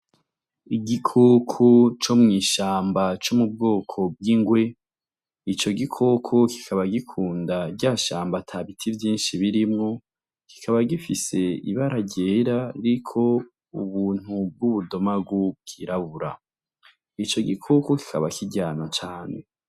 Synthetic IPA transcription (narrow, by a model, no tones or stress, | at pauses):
iɡikʰokʰot͡ʃo̞mŋiːʃaːmbat͡ʃomub̚ɡoːkʰo̞b̚ɡiŋɡwe̞ | it͡ʃo̞ɡikʰokʰoki̥kʰaβaɡikʰuːndaɟaːʃaːmbatʰaβitʰivjiːnʃiβiɾimŋo̞ | ki̥kʰaβaɡifise̞ḭβaɾaɟeːɾaɾikʰo̞ | uβuːn̥hub̚ɡuβudomaɡukʰiɾaβuɾa̰ | it͡ʃo̞ɡikʰokoki̥kʰa̰βakʰiɟaːnat͡ʃaːne̞